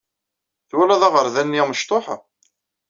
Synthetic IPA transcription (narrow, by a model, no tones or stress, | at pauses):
θwælæðaʁəɾðænːiməʃt̪ˤoħ